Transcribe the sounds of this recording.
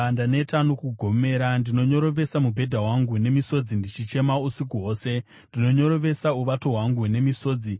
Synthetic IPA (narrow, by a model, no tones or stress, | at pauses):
ndane̞tanokuɡʱo̞me̞ːɾandino̞ɲo̞ɾo̞ʋe̞samubʱe̞dʱaɦwaŋɡune̞miso̞d͡zindit͡ʃit͡ʃe̞mausik̬uɦo̞ːse̞ | ndino̞ɲo̞ɾo̞ʋe̞sauʋato̞ɦwaŋɡune̞miso̞ːd͡zi